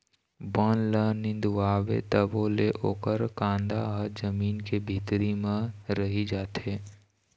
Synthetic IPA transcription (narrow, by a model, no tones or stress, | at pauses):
bɔnlənɪ̃nd̪ʋaːʋḛt̪əboːleʔoːkəɾkãːnd̪aɦəd͡ʒəmiːnkebʱɪt̪ɾimẽɾəɦid͡ʒaːt̪eː